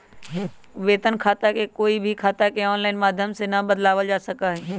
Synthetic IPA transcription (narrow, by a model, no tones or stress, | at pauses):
ʋeːt̪ənkʰaːt̪akekoːibʱikʰaːt̪akeɔːnlaːɪnmaːd̪ʱjəmsenɐbəd̪laːʋəld͡ʒaːsɐkaɦɛː